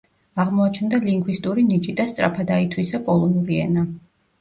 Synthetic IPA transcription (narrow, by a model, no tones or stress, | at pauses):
aʁmɔat͡ʃʰɛnd̪aliŋɡwist̪ʼuɾinit͡ʃʼid̪ast̪sʼɾʔa̰pʰad̪ait̪ʰwisapʼɔlˠɔnuɾiɛ̰na